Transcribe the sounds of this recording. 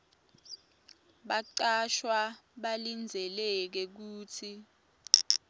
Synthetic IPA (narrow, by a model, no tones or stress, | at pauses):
ɓaǀaʃwaɓalind͡zʱɛlɛk̬ɛk̬uːtʰi